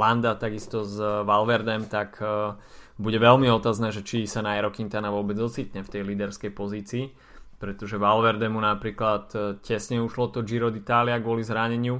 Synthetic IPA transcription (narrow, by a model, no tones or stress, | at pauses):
land̪at̪aɡist̪ɔzʋalʋɛɾd̪ɛmt̪ak | buɟɛʋɛlmiɔt̪aːznɛːʒɛt͡ʃisanajɛɾɔkint̪anaʋʊɔbɛd͡zɔt͡siːt̪ɲɛft̪ɛjliːd̪ɛɾskɛjpɔziːt͡siː | pɾɛt̪ɔʒɛʋalʋɛɾd̪ɛmunapɾiːklat̪cɛsɲɛuʃlɔt̪ɔd͡ʒiɾɔd̪it̪aːliaɡʊɔlizɦɾaɲɛɲɪu